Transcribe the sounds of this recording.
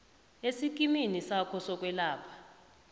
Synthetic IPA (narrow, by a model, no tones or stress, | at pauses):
esik̬ʼiminisakʰɔsɔk̬ʼwɛlaːpʰḁ